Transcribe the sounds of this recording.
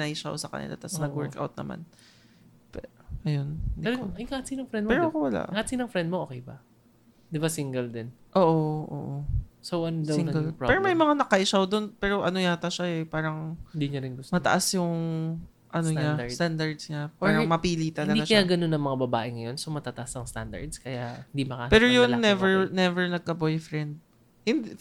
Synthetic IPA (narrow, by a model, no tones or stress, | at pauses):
nɐɪʃa̰wsɐkɐ̰nɪ̰lʔa̰t̪ɐsnɐɡwɛɹkʔa̰wt̪̚nɐ̰ma̰n | pɛʔɐjonnd̪iɐjkaːɐt̪sinɐŋfɾɛnd̪̚pɛːɾoʔɐkowɐla̰ʔkaːɐt̪sinɐŋfɾɛnd̪̚mooːkejbɐ̰ | d̪ɪbasiŋɡɛld̪ɛnʔoːʔoʔo̰ːʔosowʔɐnd̪ɪŋɡɛlpɹɛːɾomɐjmɐŋanɐkɐɪʃawd̪o̞npɛːɾo̞ʔɐnojat̪ɐʃaɛpaːɾɐŋɪnd̪iɲɐɾɪnɡʊsmɐt̪ɐ̰ʔasjʊŋ | ʔɐnoɲast̪and̪ɐɹd̪sɲapaːɾɐŋmɐpiːlit̪ɐlɐɡd̪iaʃkɐjaɡɐnonɐŋmɐŋabɐba̰ːʔɪŋɐjo̞nsomɐt̪aːt̪ɐʔasɐŋst̪a̰nd̪ɐ̰ɹd̪skɐjaʔhɪnd̪imɐka̰pɛːɾojʊnːɛvɛɹnɛvɛɹnɐɡ̚kɐbojfɾɛnd̪̚ | hɪnd̪